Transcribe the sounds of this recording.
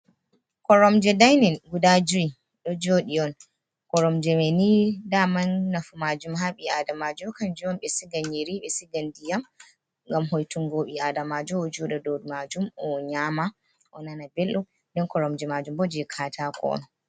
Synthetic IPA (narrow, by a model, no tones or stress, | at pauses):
kɔɾɔmd͡ʒɛdajnɛnɡudad͡ʒui | ɗɔd͡ʒoɗiɔn | kɔɾɔmd͡ʒɛmɛnidamanːafumad͡ʒumɦaɓiadamad͡ʒɔkand͡ʒuɔnɓɛsiɡanjiɾiɓɛsiɡandijam | ŋɡamɦojtuŋɡoɓiadamad͡ʒɔɔd͡ʒɔɗɛdodumad͡ʒumɔɲama | ʔɔnanabɛlːɔ | ndɛnkɔɾɔmd͡ʒɛmad͡ʒumbɔd͡ʒɛkʰatakʰɔ̰nɔ